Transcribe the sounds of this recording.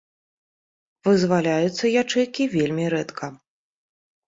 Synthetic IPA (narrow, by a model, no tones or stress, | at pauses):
vɨzvalʲajut̪sːɐjat͡ʂɨjkʲivʲelʲmʲiɾɛt̪kʰɐ